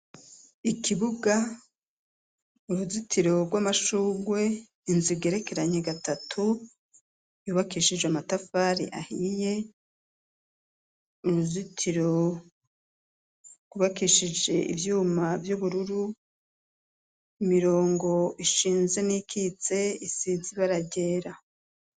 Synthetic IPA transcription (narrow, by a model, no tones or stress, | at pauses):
ikʰiβuɡa | uɾuzitʰiɾo̞bɡwamaʃuːɡwe̞ | inziɡe̞ɾe̞ke̞ɾaɲe̞ɡatatʰu | juːβakiʃid͡ʒeamatafaːɾḭʔa̰hije | uɾuzitʰiɾo̞ | ɡ̥uβakiʃid͡ʒe̞ʔḭvjuːmavjuβuɾuɾu | imiɾo̞ːŋɡo̞iʃiːnze̞nikʰit͡se̞isiziβaɾaɟe̞ːɾa